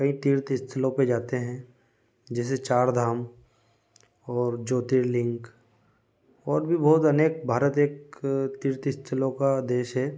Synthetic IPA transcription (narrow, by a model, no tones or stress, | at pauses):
kɐĩt̪iːɾt̪ɪst̪ʰəlõped͡ʒaːt̪eɦɛ̃ | d͡ʒɛːs̬et͡ʃaːɾd̪ʱaːm | ɔːɾd͡ʒoːt̪iːɾlɪ̃ŋk | ɔːɾbʱibɔːt̪ɐneːk̚bʱaːɾət̪eːkt̪iːɾt̪ɪst̪ʰəlõkad̪eːʃɦɛː